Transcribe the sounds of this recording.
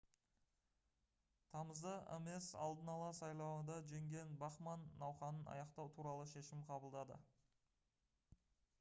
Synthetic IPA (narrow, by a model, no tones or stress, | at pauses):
t̪ʰɑməzd̪əʔḛme̞sɑ̰lˠd̪ənɑlˠɑsɑjlˠɑwənd̪ɑʒe̞ŋɡʲe̞nbɑχmɑnːɑwχɑnənɑ̰jɑqt̪ɑwt̪ʰuɾɑlˠəʃe̞ʃɪmqʰɑbəlˠd̪ɑd̪ə̰